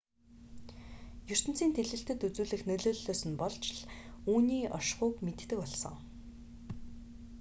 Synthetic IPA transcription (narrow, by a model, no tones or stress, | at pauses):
jɵr̥t̪ɘ̆n̥t͡siːnt̪ʰeɮɘ̆ɬt̪ɘ̆t̪ut͡suːɮɘ̆xnɵɮoːɮːoːsɵ̆npɔɮt͡ɕɮuːniːʔɔ̰ʃχʊːkmet̪ːɘ̆kɔɮsɞ̰̆ŋ